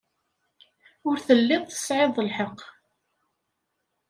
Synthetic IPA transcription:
ʊɾθəlːɪðˤθə̥sʕɪðˤəlħəq

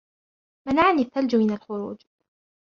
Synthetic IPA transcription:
manaʕniθːald͡ʒʊmɪnalxʊɾṵːd͡ʒ

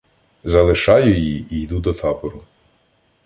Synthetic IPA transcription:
zɐlˠɪʃɑjʊjiijd̪ud̪ɔt̪ʰɑpɔɾʊ

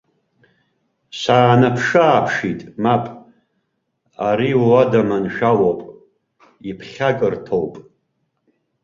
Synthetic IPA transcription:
saːnapʰʂɨːpʰʂitʼmapʼ | aɾiwadamanʃᶣawopʼ | ipʰχʲakʼɨrtʰowpʼ

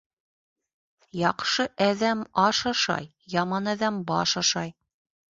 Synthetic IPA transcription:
jɑqʃɤʔæðæmɑʃɑʃɑ̰j | jɑmɑnæðæmbɑ̰ʃɑʃɑj

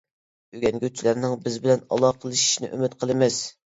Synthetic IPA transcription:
yɡʲɛnɡʲøt͡ʃʰilæɾnɪŋbɪzbɪlɛnɑ̰lˠɑqʰəlˠɨʃi̥ʃnɪ̰ʔømɪt̪̚qʰəlˠɨmɪz

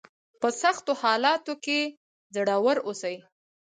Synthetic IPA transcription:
pəsaxt̪ohɑlɑt̪oke | zaɽawəɾosaj

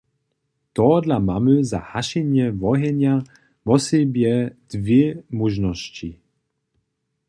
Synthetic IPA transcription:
t̪ɔd̪lamamyza̰haʃiɲjɛvɔɦɛɲja | mɔsibjɛd̪̥vɛmuʒnɔsci

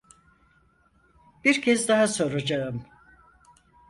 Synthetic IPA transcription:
b̥iɾcʰɛzd̪aɦaso̞ɾad͡ʒaɯm

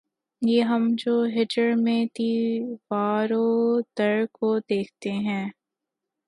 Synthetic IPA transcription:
jeːɦɐmd͡ʒoːɦɪʈəɾmẽt̪iːʋaːɾod̪ɐɾkod̪eːkʰt̪eɦɛ̃ː

